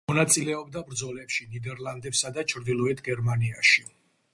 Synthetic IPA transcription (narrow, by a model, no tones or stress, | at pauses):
mɔnat̪sʼilɛɔbd̪abɾd̪zɔlɛpʃinid̪ɛɾlˠand̪ɛpsad̪at͡ʃʰɾd̪ilˠɔɛt̪ʰɡɛɾmaniaʃi